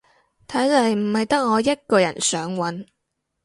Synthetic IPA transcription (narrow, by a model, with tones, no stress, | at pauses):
t̪ʰɐ˨˥jlɐ˨jm̩˨˩hɐ˨jt̪ɐ˥k̚ŋɔː˨˧jɐ˥t̚kɔː˧jɐ̰˨˩nsœː˨˥ŋwɐ˨˥n